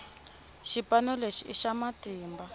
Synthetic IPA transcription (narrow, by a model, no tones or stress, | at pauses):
ʃipanɔleʃiiʃamatiːmba